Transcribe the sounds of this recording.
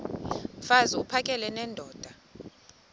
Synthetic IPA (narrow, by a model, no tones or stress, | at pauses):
faziupʰakʼɛlɛnɛːndʱɔːd̥ʱa